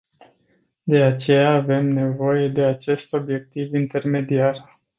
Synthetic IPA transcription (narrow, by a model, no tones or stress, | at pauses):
d̪e̞at͡ʃe̞jaːve̞mne̞vo̞je̞d̪e̞at͡ʃe̞st̪o̞bje̞k̚t̪ivint̪e̞rme̞d̪iar